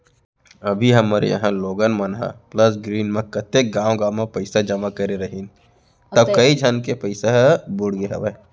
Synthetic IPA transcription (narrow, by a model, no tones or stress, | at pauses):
ɐbʱiɦɐmaːɾḛjɐ̰ɦãloːɡənmɐnɦã̰plɐs̬ɡɾiːnmẽkɐt̪ek̚ɡãːõɡãːmẽpɐɪsad͡ʒɐmakɐɾeɾɐɦin | t̪ɐkɐid͡ʒʱɐnkepɐɪseɦbʊɽɡeɦɐ̰ʋe